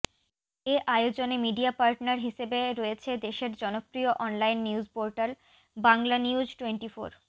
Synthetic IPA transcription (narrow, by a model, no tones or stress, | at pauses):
eʔajod͡ʑonemiɖiapaɾʈnaɾɦiʃebeɾɔjet͡ɕʰed̪eʃeɾd͡ʑɔnopɾioʔɔnlajnːiud͡ʑpoɾʈal | baŋlaniud͡ʑʈweɳʈifo̰ɾ